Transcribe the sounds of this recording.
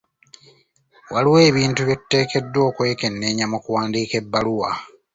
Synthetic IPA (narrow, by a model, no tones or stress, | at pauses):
waliwe̞ːβiːntuβjetːe̞ːke̞dːwo̞ːkwe̞ːke̞nːe̞ːɲamokuwaːndiːke̞bːaluwa